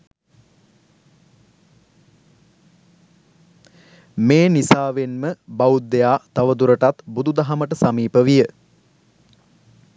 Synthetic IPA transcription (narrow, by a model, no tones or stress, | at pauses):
meːnisaːʋenməbaud̪ːejaːt̪aʋəd̪uɾəʈat̪bud̪ud̪aɦaməʈəsamiːpəʋijə